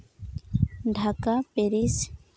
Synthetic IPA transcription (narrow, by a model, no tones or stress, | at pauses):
ɖʱakapeɾis